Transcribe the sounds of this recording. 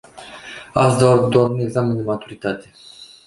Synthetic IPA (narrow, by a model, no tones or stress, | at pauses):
ast̪ad̪oaɾune̞ɡzamend̪emat̪uɾit̪at̪e